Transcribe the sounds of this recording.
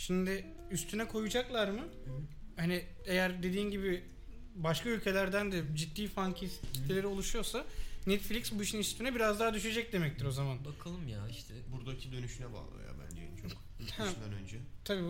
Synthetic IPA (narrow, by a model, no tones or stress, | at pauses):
ʃimd̪ɪ | yst̪ʰynɛkʰo̞jud͡ʒaklˠaɾmɯhanɪ | ejæɾd̪e̞d̪iːnɟibɪ | baʃkʰaylʲcʰe̞lʲæɾd̪ænd̪ɛd͡ʒit̪ːiːfaŋkʰiscʰʲi̥t̪ʰːelʲeɾio̞lˠuʃujo̞sanɛt̪flʲiksbuiʃɯnyst̪ʰynɛbiɾazd̪aːad̪yʃ̬e̞d͡ʒɛc̚d̪e̞mɛc̚t̪ʰiɾo̞zamanbakʰalˠɯmjaːiʃt̪ʰɛbuɾd̪acʰid̪ø̞nyʃynɛba̰ːlˠa̰ja̰bæ̰nd͡ʒḛjnt͡ʃʰk | hæʃnd̪ænø̰nd͡ʒɛt̪ʰabiː